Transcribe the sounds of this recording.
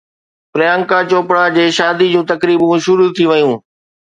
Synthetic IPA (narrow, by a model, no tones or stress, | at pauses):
pɾɪjãːŋkat͡ɕoːpɽad͡ʑeːʃaːd̪id͡ʑũːt̪ɐkɾiːbũʃʊɾut̪ʰiʋɐjũː